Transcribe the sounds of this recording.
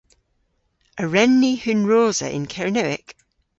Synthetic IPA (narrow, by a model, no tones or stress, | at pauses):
əɹɛ̃nːihʉnɹoːz̥ə̰ʔɪ̰̃nkʰɛɹɪnəɪ̰k